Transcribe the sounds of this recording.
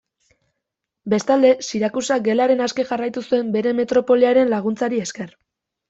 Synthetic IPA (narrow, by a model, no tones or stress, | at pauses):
be̞st̪ald̪e̞siɾakusaɡe̞laɾe̞naske̞ʝarajt̪usue̞mbe̞ɾe̞me̞t̪ɾo̞po̞liaɾe̞nlaɣ̞unt͡saɾie̞ske̞r